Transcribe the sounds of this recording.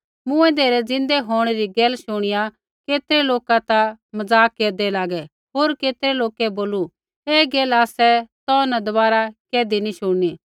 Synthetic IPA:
mʊ̃ɛ̃d̪eːɾɛd͡zɪ̃nd̪ɛɦoːɽ̃ɛɾiɡɛːlʃʊɽ̃ɪja | keːt̪ɾɛloːkat̪amɐd͡zaːkːeːɾd̪ɛlaːɡɛ | ɦoːɾkeːt̪ɾɛloːkɛboːlu | eːɡɛːlaːsɛt̪ɔːnɐd̪ɐbaːɾakeːd̪iniʃʊɽniː

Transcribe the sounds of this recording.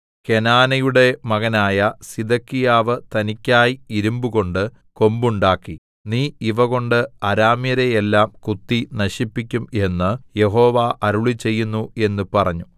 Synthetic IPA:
ke̞naːnɐjuɽe̞mɐɣɐnaːjɐsid̪ɐkːijaːʋɨt̪ɐnikʲːaːjiiɾumbuɣo̞ɳɖɨ | ko̞mbuɳɖaːkːi | niːiʋɐɣo̞ɳɖɨɐɾaːmijɐɾejelːaːmkut̪ːinɐɕipːik̬ʲːume̞nːɨje̞ɦo̞ːʋaːʔɐɾuɭit͡ɕe̞jːunːue̞nːɨpɐrɐɲːu

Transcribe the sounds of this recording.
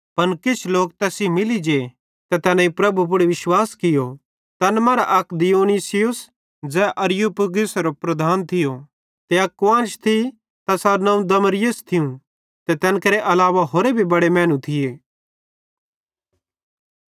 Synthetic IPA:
pɐnkɪt͡ʃʰloːk̚t̪ɛːsimɪlid͡ʒe | t̪ɛt̪ɛːnãĩpɾɐbʱup̬ʊɽeʋɪʃwaːskɪjo | t̪ɐnmaɾa̰ʔɐkd̪ɪjoːnisɪjʊs | d͡zɛːʔɐɾjupɡɪsɾopɾɐd̪ʱaːnt̪ʰɪjo | t̪eɐkːãːnt͡ʃt̪ʰi | t̪ɐsaːɾnɐ̃ũd̪ɐməɾɪjəst̪ʰɪjũ | t̪ɛt̪ɛːnkɐɾeʔɐlaːʋaɦoːɾebʱibɐɽemɛ̃ːnũt̪ʰɪjeː

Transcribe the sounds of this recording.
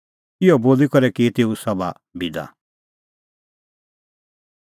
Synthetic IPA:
ɪɔboːlikɔɾɛkit̪eːusɐba̰ | bid̪a̰

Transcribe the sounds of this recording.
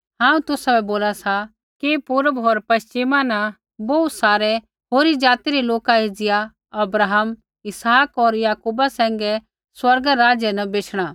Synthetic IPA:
ɦãːũt̪ʊsabɛboːlasa | kipʊɾəbɦoːɾpɐʃt͡ʃɪmanã | boːusaːɾɛ | ɦoːɾid͡zaːt̪iɾiloːkaed͡zɪja | ɐbɾaːɦəm | ɪsaːkɔɾjaːkuːbasɛ̃ːŋɡɛ | swɐɾɡaɾaːd͡ʒjənɐbeːt͡ʃʰɽ̃a

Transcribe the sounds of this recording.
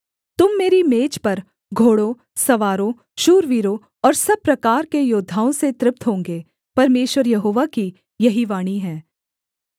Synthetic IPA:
t̪ʊmːeːɾimeːt͡ʃpɐɾ | ɡʱoːɽo | sɐʋaːɾõ | ʃuːɾʋiːɾo | ɔːɾsɐb̚pːɾɐkaːɾkejoːd̪ʱːaːõset̪ɾɪp̚t̪ɦõːŋɡeː | pɐɾmeːʃʋəɾjɐɦoːʋaki | jɐɦiʋaːɽ̃iɦɛ̃ː

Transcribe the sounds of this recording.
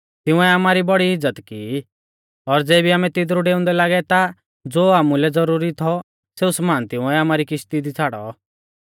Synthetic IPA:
t̪ɪ̃ũɛamaːɾibɔɽiɪd͡zːət̪ki | ɔɾd͡zɛːbiaːmɛ̃t̪ɪd̪ɾuɖeːʊ̃nd̪ɛlaːɡɛt̪a | d͡zoːaːmulɛd͡zɔɾuːɾit̪ʰɔ | seːusmaːnt̪ɪ̃ũɛamaːɾikɪʃt̪id̪it͡sʰaːɽɔ̰

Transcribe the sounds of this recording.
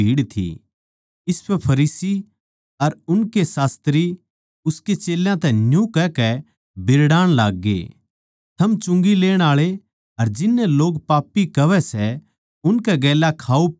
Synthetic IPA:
iːɽt̪ʰḭ | ɪspʰɛpʰɐɾiːsi | ɐɾʊnkesaːst̪ɾi | ʊsket͡ʃeːljãt̪ɛ̃njũkɛkɛ | bɪɾɽaːɽ̃laːɡːḛ | t̪ʰɐmt͡ʃʊ̃ŋɡileːɽ̃aːɭe | ɐɾd͡ʒɪnːɛloːɡpaːpːikɐʋɛsɛ | ʊnkɛɡɛːlakʰaːu

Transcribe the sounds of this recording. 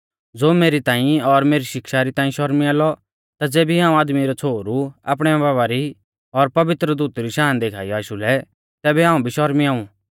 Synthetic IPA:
d͡zoːmeːɾit̪ãːĩɔɾmeːɾiʃɪkʃaɾit̪ãːĩʃɔɾmiaːlɔ | t̪ad͡zeːbiɦãːũaːd̪miɾɔt͡sʰoːɾua̰ːp̬ɽ̃ɛbaːʋaɾi | ɔɾpɐʋɪt̪ɾəd̪uːt̪ɾiʃaːnd̪eːkʰaːijaːʃulɛ | t̪ɛːbɛɦaːũbʱiʃɔɾmiaːũ

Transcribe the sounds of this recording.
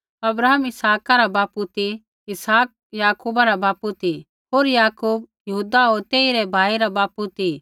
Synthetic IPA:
ɐbɾaːɦəmɪsaːkaɾabaːput̪i | ɪsaːk̚jaːkuːbaɾabaːput̪i | ɦoːɾjaːkuːbjɐɦuːd̪aɦoːɾt̪eːiɾɛbʱaːiɾabaːput̪i

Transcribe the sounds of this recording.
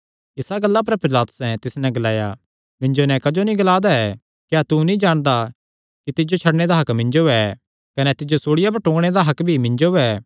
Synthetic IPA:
ɪsaɡɐlːap̬ɐɾpɪɾlaːt̪ʊ̥sɛt̪ɪsnɛɡɐlaːja̰ | mɪ̃ɲd͡ʒonɛkɐd͡ʒonĩɡɐlaːd̪aɛ | kjat̪unĩd͡ʒaːɽ̃d̪a | kit̪ɪd͡ʒot͡ʃʰɐɽɽed̪aɦɐkmɪ̃ɲd͡ʒoɛ | kɐnɛt̪ɪd͡ʒosoːɽɪjabɐɾʈõːɡɽ̃ed̪aɦɐkbʱimɪ̃ɲd͡ʒoɛː

